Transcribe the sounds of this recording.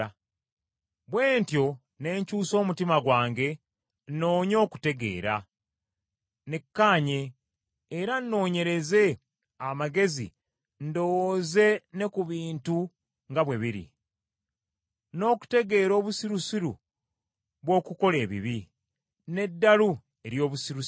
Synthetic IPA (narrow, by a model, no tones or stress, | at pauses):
βwe̞ːntjo̞ | ne̞ːɲcuːso̞ːmutimaɡwaːŋɡe̞ | nno̞ːɲo̞ːku̥te̞ɡe̞̰ːɾa̰ | nekːaːɲe̞ː | ɾanːo̞ːɲe̞ɾe̞ze̞ | amaɡe̞zḭ | ndo̞woːze̞ne̞kuβiːntu | ŋɡaβwe̞βiɾḭ | no̞ːku̥te̞ɡe̞ːɾo̞ːβusiɾusiɾṵ | βwo̞ːkuko̞le̞ːβḭβi | ne̞dːalu | e̞ɾjo̞ːβusiɾu